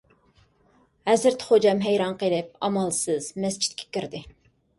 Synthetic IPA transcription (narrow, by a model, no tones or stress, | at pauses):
hɛzɨɾt̪ʰχod͡ʒɑmɦɛjɾɑnqəlˠɪp̚ɑ̰mɑlˠsɨz̥mɛst͡ʃʰi̥t̪̚kʲʰɛ̥kʲiɾd̪ɪ